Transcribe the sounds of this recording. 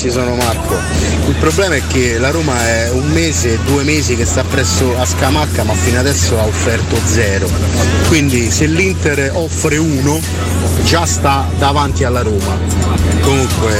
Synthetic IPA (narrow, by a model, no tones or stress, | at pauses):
t͡ʃisɔːnomakːo | ilpɾoblɛːmaɛk̟ːelaɾoːmaɛ | umːeːzed̪ːuːemeːzik̟est̪apːɾɛsːoaskamakːamafːinad̪ɛsːoaofːɛrt̪od̪zɛːɾo | kwind̪iselːint̪eɾ | ɔfɾeuːno | d͡ʒast̪a | d̪avant̪ialːaɾoːma | komuŋkwe